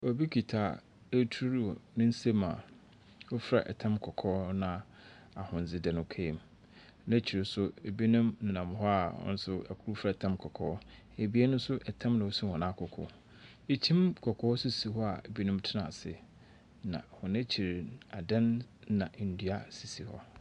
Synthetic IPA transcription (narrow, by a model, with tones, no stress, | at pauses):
ɔ˨bi˦kʰi˨tʰaː˨ | æ˦tʰu˦ɾnʊ̃˦n̩˦se˦mã̰˨ | wʊ˦fɾa̰˨ʔɛ̰˨tʰã˦mkʰɔ˨kʰɔː˦nã˨ | a˨hʊ̃˨n̩˨d͡zɪ˦dã˨nʊ̃˨˦˨kʰe˦˨m | nã˦t͡ɕʰi˨ɾɪ˨sʊ˦e˨bi˦nʊ̃˦mnã˨nã˨mɦɔ˦a˨hɔ̰̃˦n̩˦sʊ˦a̰˨kʰu˦u˦fa˦˨tʰã˦mkʰɔ˨kʰɔ̰ː˦ | e˨bi˦e˦nʊ̃˦sʊ˦ʔɛ˨tʰã˦mnã˨wo˦si˦hɔ̃˨nã˦˨kʰʊ˨kʰʊ̰˨ | e˨t͡ɕʰĩ˦mkʰɔ˨kʰɔː˦ɔ˦su˦si˨ɦɔ˦a˨bi˦nũ˦m˦tʰɪ˦nã̰˨sɪ̰˨ | nã̰˨hʊ̃˨nã˦t͡ɕʰi˨ɾa˨dã˦nːã˨n̩˨du˨a˦si˨si˨hɔ̰˦